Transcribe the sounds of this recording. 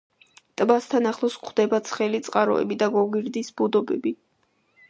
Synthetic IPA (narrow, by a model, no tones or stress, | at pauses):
t̪ʼbast̪ʰanaχlˠɔskʰd̪ɛbat̪sʰχɛlit̪sʼqʼaɾɔ̰ɛ̰bid̪aɡɔɡiɾd̪isbud̪ɔbɛbi